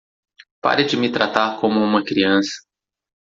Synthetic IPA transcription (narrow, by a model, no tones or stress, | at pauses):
pa̰ɾɪd͡ʒɪmɪt̪ɾat̪aɾkõmʊũmɐkɾiɐ̃sɐ̥